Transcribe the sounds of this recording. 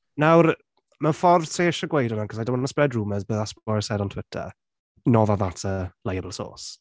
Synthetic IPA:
nawr | məfɔrvtʰreːʃəɡwejdɔnaŋkʰɔsajdamənəsprɛdruməzbəðaspɔsɛdɔntʰwɪtʰə̰ | nɔvavatʰəlajəbəlˠso̰ːs

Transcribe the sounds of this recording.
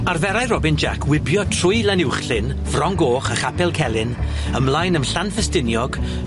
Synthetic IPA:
arvɛɾajrɔbɪnd͡ʒa̰kʰwɪbjɔtʰrʊɨlanɪwχɬɪn | vrɔŋɡoːχaχapʰɛlˠkʰɛlˠɪn | əmlˠajnəmɬanfɛstɪnjɔɡ

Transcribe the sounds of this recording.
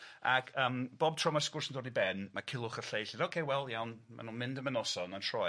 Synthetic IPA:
a̰ɡəːmb̥ob̚tʰrɔmaskʊrsəndɔrnibɛnmakʰɪlˠʊχərɬejɬidoːkʰejwɛlˠjawnma̰nunmɪndəmənɔsɔnantʰrɔ

